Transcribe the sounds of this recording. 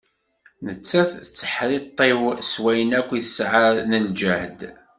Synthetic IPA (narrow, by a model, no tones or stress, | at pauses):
nət͡sːæθt͡sːə̥ħɾit̪ˤːewswæjənækʷːiθə̥sʕəɾnənd͡ʒæhd̪